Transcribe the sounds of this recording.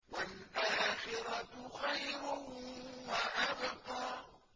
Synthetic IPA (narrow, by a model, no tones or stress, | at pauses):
walʔaːxɪɾat̪ʊxajɾʊhwaʔabɑt̪ɑː